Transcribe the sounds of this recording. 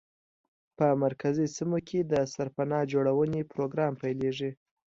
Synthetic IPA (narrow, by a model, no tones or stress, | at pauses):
pəmaɾkazisimokʰed̪əsaɾpanɑd͡ʒoɽawənepɾoɡɾɑmpajleʐi